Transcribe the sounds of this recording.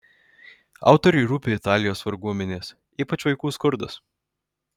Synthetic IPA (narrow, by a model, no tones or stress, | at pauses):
ɑ̰ˑʊt̪ɔɾʲʊɪɾuːpʲeːɪt̪ɑːlʲɪjoːsʋɐɾɡuɔmʲɛnʲeːs | iːpɐt͡ʃʋɐɪkuːskʊɾd̪ɐs